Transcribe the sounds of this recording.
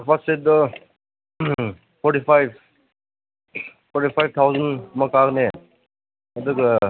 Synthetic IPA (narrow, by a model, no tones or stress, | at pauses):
pʰased̪ɔ | pʰɔɾʈipʰajb̚ | pʰɔɾʈipʰajb̚t̪ʰawzʌnmʌkakne | əd̪uk